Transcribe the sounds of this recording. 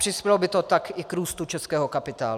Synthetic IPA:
r̥ɪspjɛlobɪt̪ot̪akɪkɾuːst̪ut͡ʃɛskɛːɦokapɪt̪a̰ːl

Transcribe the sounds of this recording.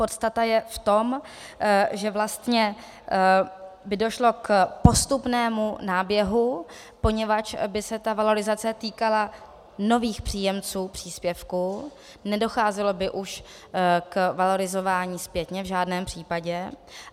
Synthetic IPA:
po̞t̪st̪at̪ajɛft̪o̞m | ʒɛvlast̪ɲɛ | bɪdo̞ʃlo̞kpo̞st̪upnɛːmunaːbjɛɦu | po̞ɲɛvat͡ʃbɪsɛt̪avalo̞ɾɪzat͡sɛt̪iːkala | no̞viːxpr̝̥iːjɛmt͡suːpr̥iːspjɛfku | nɛdo̞xaːzɛlo̞bɪʔuʃ | kvalo̞ɾɪzo̞vaːɲiːspjɛt̪ɲɛvʒaːdnɛːmpr̝̥iːpaɟɛ

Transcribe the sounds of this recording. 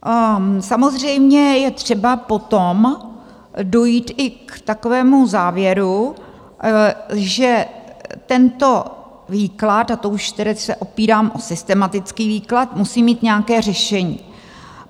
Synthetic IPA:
samo̞zr̝ɛjmɲɛjɛt̪r̝̥ɛbapo̞t̪om | do̞jiːt̪ʔɪkt̪ako̞vɛːmuzaːvjɛɾu | ʒɛt̪ɛnt̪o̞ | viːklat̪at̪ouʃt̪ɛɾɛt͡ssɛʔo̞piːɾaːmʔosɪst̪ɛmat̪ɪt͡skiːviːklat̪musiːmiːt̪ɲɛakɛːr̝ɛʃɛɲiː

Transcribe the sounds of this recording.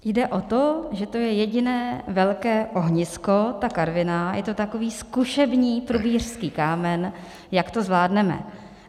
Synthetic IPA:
jdɛʔo̞t̪oʒɛt̪o̞jɛjɛɟɪnɛːvɛlkɛːʔo̞ɦɲɪsko̞t̪akaɾvɪnajɛt̪o̞t̪ako̞viːskuʃɛbɲiːpɾubiːr̝̥skiːkaːmɛn | jakt̪o̞zvlaːdnɛmɛ̰

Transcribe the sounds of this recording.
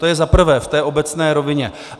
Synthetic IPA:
t̪ojɛzapr̩vɛːft̪ɛːʔo̞bɛt͡snɛːɾo̞vɪɲɛ̰

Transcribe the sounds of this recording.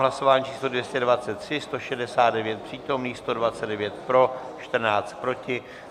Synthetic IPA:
ɦlaso̞vaːɲiːt͡ʃʰiːslo̞dvjɛscɛdvat͡sɛt̪ːr̝̥ɪst̪oʃɛdɛsaːt̪dɛvjɛt̪̚pr̥iːt̪o̞mniːst̪o̞dvat͡sɛdɛvjɛt̪pɾo̞ | t͡ʃt̪r̩naːt͡st̪̚pɾo̞cɪ

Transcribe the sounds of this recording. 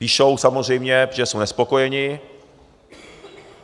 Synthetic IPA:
piːʃowsamor̝ɛjmɲɛʒɛsownɛspo̞kojɛɲɪ

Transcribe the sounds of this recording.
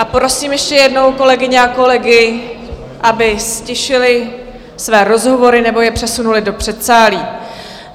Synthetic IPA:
ʔapɾo̞siːmjɛʃcɛjɛdno̞wko̞lɛɡɪɲɛako̞lɛɡɪ | ʔabɪscɛʃɪlɪ | svɛːɾo̞zɦo̞vo̞ɾɪnɛbo̞jɛpr̝̥ɛsunulɪdo̞pr̝̥ɛt̪saːliː

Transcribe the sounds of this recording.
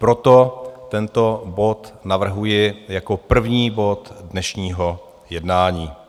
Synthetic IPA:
pɾo̞t̪o̞t̪ɛnt̪o̞bo̞t̪navr̩ɦujɪjako̞pr̩vɲiːbo̞t̪dnɛʃɲiːɦo | jɛdnaːɲiː

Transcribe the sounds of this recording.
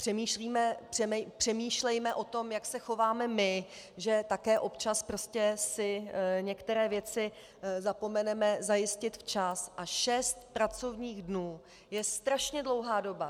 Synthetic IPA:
pr̥ɛmiːʃliːmɛpr̥ɛmɛpr̝̥ɛmiːʃlɛjmɛʔo̞t̪o̞mjaksɛxo̞vaːmɛmɪ | ʒɛt̪akɛːʔo̞pt͡ʃaspɾo̞scɛsɪɲɛkt̪ɛɾɛːvjɛt͡sɪ | zapo̞mɛnɛmɛzajɪscɪt̪ft͡ʃasʔaʃɛst̪pɾat͡so̞vɲiːɣdnuː | jɛst̪ɾaʃɲɛdlo̞wɦaːdo̞ba

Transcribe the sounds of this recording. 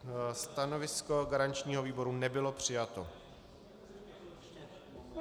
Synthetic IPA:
st̪ano̞vɪsko̞ɡaɾant͡ʃɲiːɦo̞viːbo̞ɾunɛbɪlo̞pr̝̥ɪjat̪o

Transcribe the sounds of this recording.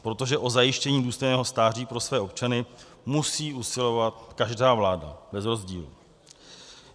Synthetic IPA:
pɾo̞t̪o̞ʒɛʔo̞zajɪʃcɛɲiːduːst̪o̞jnɛːɦo̞st̪aːr̝iːpɾo̞svɛːo̞pt͡ʃanɪ | musiːusɪlo̞vat̪kaʒdaːvlaːda̰bɛzɾo̞zɟḭːlu

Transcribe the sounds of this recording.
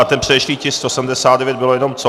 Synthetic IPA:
at̪ɛnpr̥ɛɛʃliːcɪsst̪osɛm̩dɛsaːt̪dɛvjɛd̪bɪlojɛno̞mt͡so

